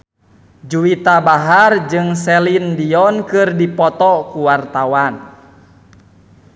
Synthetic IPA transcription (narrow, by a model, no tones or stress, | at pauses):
d͡ʒuwit̪abaɦard͡ʒɨŋsɛlindiɔnkɨrdipɔt̪ɔkuwart̪awan